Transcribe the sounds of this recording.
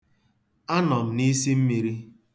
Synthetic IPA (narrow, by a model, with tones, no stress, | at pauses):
a˦nɔ˨m̩˨ni˦si˦m̩˦mi˨ɾi˦